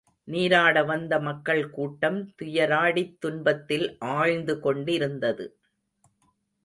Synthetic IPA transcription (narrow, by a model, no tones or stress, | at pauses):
niːɾaːɽɐʋɐnd̪ɐmɐkːɐɭkuːʈːɐmt̪ʊjɐɾaːɽit̪ːʊnbɐt̪ːɪlʔaːɻnd̪ɯkɔɳɖɪɾɯnd̪ɐðɯ̰